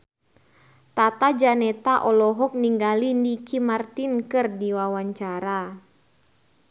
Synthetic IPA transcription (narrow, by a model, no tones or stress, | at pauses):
t̪at̪ad͡ʒanɛt̪aʔɔlɔɦɔk̚niŋɡalinikimart̪inkɨrdiwawaɲt͡ʃaɾa